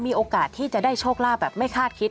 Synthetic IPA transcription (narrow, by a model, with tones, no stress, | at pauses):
miː˧ʔoː˧kaː˨˩t̪ʰːiː˥˩t͡ɕa˨˩daː˥˩jt͡ɕʰoː˥˩k̚laː˥˩bɛː˨˩p̚ma˥˩jkʰaː˥˩t̪̚kʰi˦˥t̪̚